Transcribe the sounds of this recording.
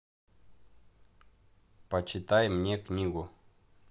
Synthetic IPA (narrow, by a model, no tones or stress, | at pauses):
pat͡ʃit̪ajmɲekɲiɣo